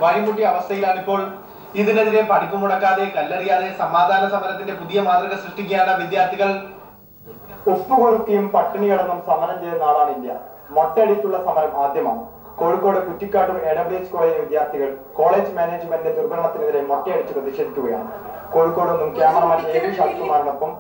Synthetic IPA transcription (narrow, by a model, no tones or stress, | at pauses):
ʋɐɻimuʈːiɐʋɐst̪ʰɐjilaːɳipːo̞ːɭ | iðineðiɾe̞pɐɽikʲːumuɽɐkːaːðekɐlːɐɽijaːðe̞sɐmaːd̪ʱaːnɐsɐmɐɾɐt̪ːinde̞puðijɐmaːd̪rɐɣɐsrɨʂʈik̬ʲːaːnɐʋid̪jaːrt̪ʰiɣɐɭ | usukoɻuk̪ːijumpɐʈːiɳijɐɽɐnːumsɐmɐɾɐmt͡ɕe̞jtunːaːʋaːɳindjɐ̰ | motːeɐɽit͡ɕːuɭːɐsɐmɐɾɐmbaːd̪ʱjɐma̰ːɳɨ | ko̞ːɻukːo̞ːɽekutːikʲːaːʈːume̞ːɽɐbɽiet͡ɕːkoːɭeːd͡ʑʋid̪jaːrt̪ʰiɣɐɭko̞ːɭe̞ːd͡ʑɨmeːneːd͡ʑmendded̪urbɐɳɐɳɐt̪ːineðiɾemːotːejɐɽit͡ɕːɨprɐðiɕe̞ːd̪ʱikʲːuɣɐja̰ːɳɨ̰ | ko̞ːɻukːo̞ːɽonːumkeːmɐrɐmaːnneːɾuɕaːsikɐmaːnɐnopːɐm